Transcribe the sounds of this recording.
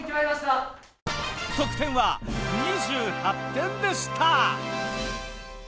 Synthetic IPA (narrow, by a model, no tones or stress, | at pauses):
kʲimaimaɕt̪a | t̪okɯ̟̥t̪ẽ̞ɰ̃βaɲiʑɨːhat̪ːẽ̞nd̪e̞ɕɨ̥t̪ʰa